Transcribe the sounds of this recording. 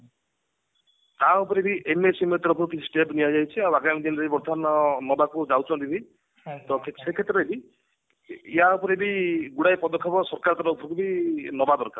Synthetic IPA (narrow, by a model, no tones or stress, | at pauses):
t̪aupɔɾibiʔemesimɔt̪ɔɾɔpʰɔɾukisʈebniad͡ʒajt͡ʃʰiawaɡamid̪inɾeibɔɾd̪ʰʱanɔnɔbakud͡ʒawt͡ʃʰɔnt̪ibi | t̪ɔkʰesekʰet̪ɾɔebi | iɦaupɔɾibiɡuɽajpɔd̪ɔkʰːɔpɔsɔɾkaɾt̪ɔɾɔupʰɔɾukubinɔbad̪ɔɾka̰ɾ